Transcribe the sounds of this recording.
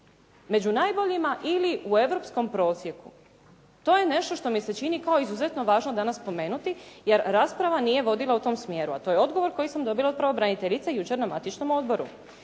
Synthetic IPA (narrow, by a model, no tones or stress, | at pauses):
me̞d͡ʑunaːjbo̞ʎimaʔiliue̞ʋɾo̞psko̞mpɾo̞ːsje̞ku | t̪o̞je̞ne̞ʃt̪o̞ʃt̪o̞mise̞t͡ʃinikao̞izuzet̪no̞ʋaːʒno̞d̪anasːpo̞me̞ːnut̪ije̞ɾːaːspɾaʋanije̞ʋo̞d̪ilˠaut̪o̞msmje̞ːɾua̰t̪o̞ːjeo̞d̪ɡo̞ʋo̞ɾko̞jisamd̪o̞bilaot̪pɾaʋo̞bɾanit̪e̞ʎit̪sejut͡ʃe̞ɾnamat̪it͡ʃno̞mo̞d̪̚bo̞ɾṵ